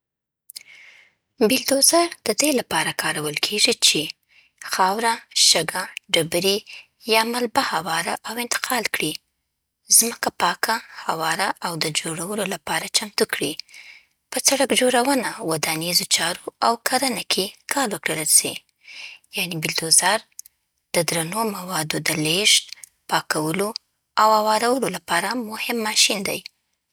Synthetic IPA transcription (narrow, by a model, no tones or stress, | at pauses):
bɪld̪ozad̪̥əd̪elapɑɾakʰɑɾawəlkʰeʐit͡ʃe | xɑwɾaʃəɡaɖabɾe | jɑmalbahawɑɾaʔawɪnt̪ɪ̥qʰɑlkɽi | zməkapɑkʰahawɑɾaʔawd̪əd͡ʒoɽawəlolapɑɾat͡ʃamt̪ukɽi | pət͡saɽəkd͡ʒoɽawənawad̪anizot͡ʃɑɾoawkʰaɾənakʰekʰɑɾwəkɽəlase | janebɪld̪ozaɾ | d̪̥əd̪ɾanomawɑd̪od̪əleʃt̪ | pɑkawəlo | awawɑɾawəlolapɑɾamʊhɪmːɑʃind̪a̰j